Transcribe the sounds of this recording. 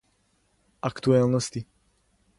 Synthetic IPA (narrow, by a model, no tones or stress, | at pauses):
ʔakt̪uɛlnɔsci